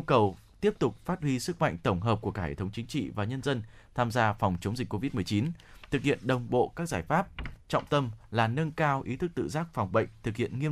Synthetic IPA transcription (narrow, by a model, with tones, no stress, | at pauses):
kə˨˩w | t̪i˦˥əp̚t̪ʊ˨˩k͡p̚faː˦˥t̚hwi˧sɨ˦˥k̚ma̰˧˨jŋ̟t̪ə˧˩wŋ͡mɦəː˨˩p̚ku˧˩kaː˦˧hḛ˨˧˩t̪ʰə˨˦wŋ͡mt͡ɕï˨˦ŋ̟t͡ɕḭ˧˨vaː˨˩ɲə˧nzə˧n | t̪ʰaː˧mzaː˧fɔ˨˩wŋ͡mt͡ɕə˨˦wŋ͡mzi˨˩k̟ko˧vi˦˥t̚mɨ˨˩əjt͡ɕi˨˦nt̪ʰɨ˨˩k̚hḭ˧˨ənɗə˨˩wŋ͡mɓo̰˧˨kaː˦˥k̚zaː˧˩jfaː˦˥p̚t͡ɕɔ̰˧˨wŋ͡mt̪ə˧mlaː˨˩nə˧nkaː˧wʔi˨˦t̪ʰɨ˦˥k̚t̪ɨ̰˧˨zaː˦˥k̚fa˨˩wŋ͡mɓə̰˧˨jŋ̟t̪ʰɨ˨˩k̚hḭ˧˨ənŋi˧ə